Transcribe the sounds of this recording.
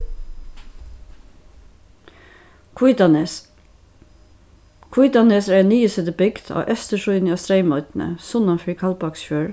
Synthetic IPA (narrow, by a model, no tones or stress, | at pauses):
kʰʊiːt̪ɑneːsɾænyːəsɛd̪əbɪɡd̪ʰɑ̰ːʔœst̪əʃʊʏnɑːst̪ɾeɪmɔʏt̪n̩ə̰sʊnɑnfɹiːkʰɑlbɑksçøːɹ